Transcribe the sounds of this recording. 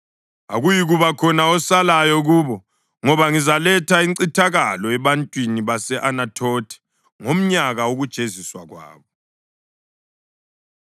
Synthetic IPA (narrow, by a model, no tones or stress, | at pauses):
a̰ɣujiɣuβakʰɔnaɔsalajɔɣuːβɔ | ŋɔβaŋizalɛtʰaiǀitʰaɣalɔɛβantʼwiniβasɛʔanatʰoːtʰɛ̥ | ŋom̩ɲaɣaoɣud̥ʒ̥ʱeziswaɣwa̰ːβɔ